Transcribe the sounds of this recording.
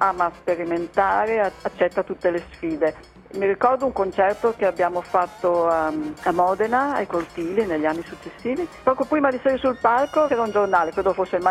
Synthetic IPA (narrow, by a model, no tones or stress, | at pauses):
aːmaspeɾiment̪aːɾeat͡ʃːɛt̪ːat̪ut̪ːelesfiːd̪e | miɾikɔrd̪ouŋkont͡ʃɛrt̪okeabjaːmofat̪ːoaamɔːd̪enaajkort̪iːlineʎːianːisut͡ʃːesːiːvipɔːkopɾiːmad̪iseːɾesulpalkot͡ʃɛːɾaund͡ʒornaːlekɾed̪ofosːelma